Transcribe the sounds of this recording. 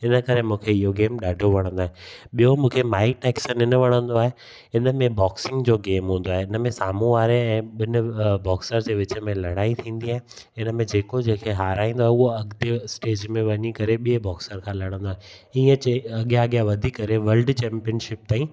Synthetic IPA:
ɪnə̆kɐɾemũːkʰeɪɦoɡeːmɗaːɖʱoʋɐɽ̃ə̃nd̪oaːɦeɓijomũːkʰemaːɪʈɛːksənɪnəʋɐɽ̃ə̃nd̪oaːɦe | ɪnəmẽbɔːksɪ̃ŋɡd͡ʑoːɡeːmɦũːn̆d̪oaːɦeɪnəmẽsaːm̤ũʋaːɾeɛ̃ːɓɪnəbɔːksəɾd͡ʑeːʋɪt͡ɕə̆mẽlɐɽ̃aːit̪ʰĩːn̆d̪iaːɦɪ̃ | ɪnəmẽd͡ʑeːkod͡ʑẽːkʰeɦaːɾaːĩːnd̪oaːɦeʊɦoɐɠd̪esʈeːd͡ʑmẽʋɐɲikɐɾeɓiebɔːksəɾkʰãlɐɽ̃ə̃nd̪oaːɦeiə̃t͡ɕeɐɠjaɐɠjaʋɐd̪ʱikɐɾeʋɐlɖt͡ɕɛ̃ːmpijənʃɪp̚t̪aːĩ

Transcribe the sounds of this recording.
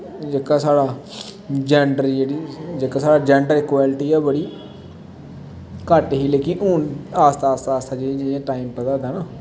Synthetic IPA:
d͡ʒekaːsaːɽaː | d͡ʒɛːɳɖəɾd͡ʒeːɽiːd͡ʒekaːsaːɽaːd͡ʒɛːɳɖəɾɪːkwaːlʈiːɛːbəɽiː | kəʈɦiːleːkɪnuːnaːst̪ʰaːst̪aːst̪ʰaːd͡ʒẽd͡ʒɪãːʈaːimpəd̪aːd̪aːnaː

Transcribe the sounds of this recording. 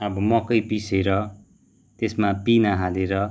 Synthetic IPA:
ʌbʌmʌkʌjpiseɾʌ | t̪esmapinaɦaleɾʌ

